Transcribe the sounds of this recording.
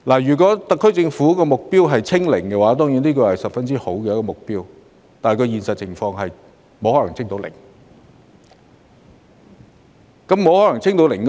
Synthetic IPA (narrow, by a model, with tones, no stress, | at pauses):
laː˨˩jyː˨˩kʷɔ˨˥t̪ɐ˨kʰːɵ˥t͡sɪ˧ŋfuː˨˥kɔː˧mʊ˨k̚piː˥wɦɐ˨jt͡sʰɪ˥ŋlɪ˨˩ŋkɛ˧waː˨˥t̪̬ɔː˥ŋjiː˨˥niː˥k̬ɵ˧hɐ˨jsɐ˨p̚fɐ˥nt͡si˥ho˨˥wkɛː˧jɐ˦˥kɔː˨˧mʊ˨k̚piː˥w | t̪aː˨˩kʰɵ˧jiː˨nsɐ˨t̚t͡sʰɪ˨˩ŋfɔː˧ŋɦɐ˨j | mo˨˥whɔ˨˧˥lɐ˨˩ŋt͡sʰɪ˥ŋt̪o˨˧wlɪ˨˩ŋ | kɐ˨˥mːo˨˧whɔː˨˥lɐ˨˩ŋt͡sʰɪ˥ŋt̪o˨˥wlɪ˨˩ŋk